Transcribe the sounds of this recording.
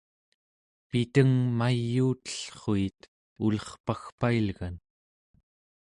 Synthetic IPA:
pit̪əŋmajːuːt̪ə̥ɬχoit̪ | ulʌχpaxpailɣan

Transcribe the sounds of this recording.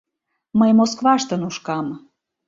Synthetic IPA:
məjmoskvɑʃt̪ənuʃkɑm

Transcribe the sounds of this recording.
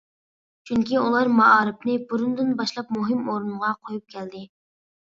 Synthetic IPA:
t͡ʃʰyŋkʲʰiulˠɑɾmɑɑːɾɨpnɨbuɾund̪ɨnbɑʃlˠɑp̚muɦɨmoɾɨnʁɑqʰojup̚kʲʰɛld̪ɪ

